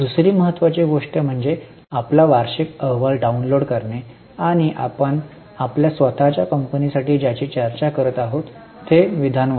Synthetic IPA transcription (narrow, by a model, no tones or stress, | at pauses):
d̪usɾiːməɦət̪ːʋat͡ɕeɡoʂʈəm̤əɳd͡ze | aplaʋaɾɕikəʋəlɖaunloɽkəɾɳe | aɽ̃iʔa̰pəɳ | apljasʋət̪at͡ɕjakəmpənisaʈiːd͡ʑjat͡ɕiːt͡ɕəɾt͡ɕakəɾət̪aɦot̪ː | eʋid̪ʱan